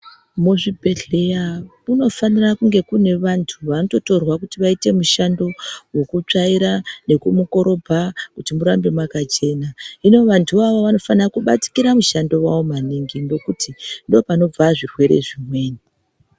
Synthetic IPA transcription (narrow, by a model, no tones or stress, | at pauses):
muʐibʱe̞ɮe̞ja | uno̞fanirakuŋɡe̞kune̞ʋantʰuʋanoto̞to̞rwakutiʋaite̞muʃando̞we̞kut͡ʂaiɾane̞kumuko̞ɾo̞bʱakutimuɾambe̞mwakat͡ʃe̞ːnaino̞ʋantʰuʋaʋoʋano̞fanirakuɓa̰ti̥kiɾamuʃando̞waomaniŋɡindo̞kutindo̞pano̞b͡vaʐirwe̞ɾe̞̰ʐimwe̞ːni